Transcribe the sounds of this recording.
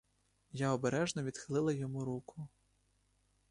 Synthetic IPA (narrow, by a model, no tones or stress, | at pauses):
jaɔbeɾɛʒnɔʋʲid̪xɪlˠɪlˠɐjɔmuɾukʊ